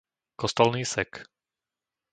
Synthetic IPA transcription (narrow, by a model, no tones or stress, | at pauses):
kɔst̪ɔlniːsɛk